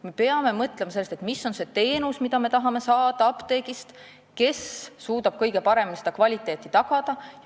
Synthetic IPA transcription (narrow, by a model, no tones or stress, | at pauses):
me̞pe̞ɑme̞mɤt̪ˑle̞mɑse̞lːst̪et̪miso̞nse̞t̪e̞ːnusmid̪̥ɑme̞t̪ɑɦɑme̞sɑːd̪̥ɑɑpt̪e̞ːɡist̪ | ke̞sːuːd̪ɑb̥kɤjɡ̥e̞pɑɾe̞minised̪ɑkvɑlʲit̪ˑːe̞ːt̪ːˑit̪ɑɡ̥ɑd̪̥ɑ